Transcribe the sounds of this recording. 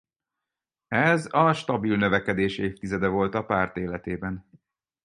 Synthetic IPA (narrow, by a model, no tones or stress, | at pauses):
ɛzɒʃt̪ɒbilnø̞vɛkɛd̪eːʃeːft̪izɛd̪ɛvo̞lt̪ɒpaːrt̪eːlɛt̪eːbɛn